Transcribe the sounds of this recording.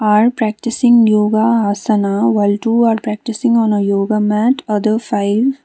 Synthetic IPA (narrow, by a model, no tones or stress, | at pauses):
aːɾpɾæk̚ʈɪsɪ̃ŋɡjoːɡaɦɐsɐnaʋaɪlʈuːaːɾpɾæːk̚ʈɪsɪ̃ŋɡɔ̃ːnəjoːɡaːmæʈɐd̪əɾfaɪʋ